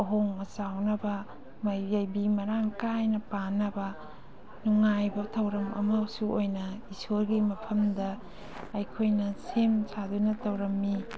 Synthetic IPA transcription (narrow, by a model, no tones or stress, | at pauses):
ɐɦoŋmɐsawnɐbɐ | mɐjajbimɐɾaŋkajnɐpanɐbɐ | nuŋajbɐtʰɐwɾɐmɐ̰mawsuojnɐisoɾɡimɐpʰɐmdɐː | jkʰojnɐsemsadunɐtɐwɾɐmːi